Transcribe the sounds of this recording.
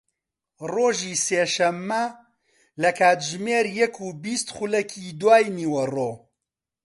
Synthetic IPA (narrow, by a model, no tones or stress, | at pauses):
roːʒiːseːʃɐmːɐ | lɐkʰaːt̪ʒmeːɾjɐkʰuːbist̪χulɐkʰid̪waːjniːwɐroː